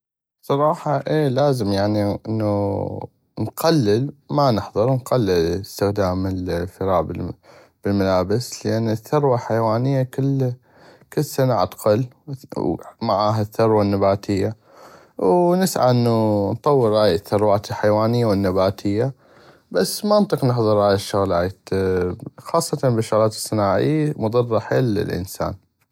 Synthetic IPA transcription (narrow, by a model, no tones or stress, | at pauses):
sˤɑɾˤɑːħɑʔeːlaːzɪmjaʕniʔɪ̰nːu | nqalːɪlmanɪħðˤɨɾˤwnqalːɪlst̪ɪxd̪aːmɪlfɪɾɑːʔb | b̥ɪlmalaːbɪsləʔanːɪθːʊɾwalħajwaːnɪjːakɪlː | kɪlːsanaʕa̰t̪qɑl | maʕaːɦaθːʊɾwanːabaːt̪ʰɪjːa | wnɪsʕa̰ʔɪnːunt̪ˤɑwːəɾːaːjɪθːʊɾwaːt̪ɪlħajwaːnɪjːawɪnːabaːt̪ʰɪjːa | basːmaʔnt̪ˤɨqnɪħðˤɨɾˤhaːjɪʃːʊɣla̰ːt̪ | xɑːsˤːɑt̪ɑbɪʃːʊɣlaːt̪ɪ̥sˤːɨnaːʕɪ̰jmʊd̪ˤɑrˤːɑħelɪ̰lʔɪ̰nsa̰ːn